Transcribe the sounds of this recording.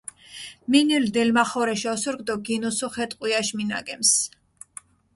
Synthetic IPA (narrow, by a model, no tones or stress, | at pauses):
minild̪ɛlmaχɔɾɛʃɔsuɾɡd̪ɔɡinusuχɛt̪ʼqʼwiaʃmina̰ɡɛms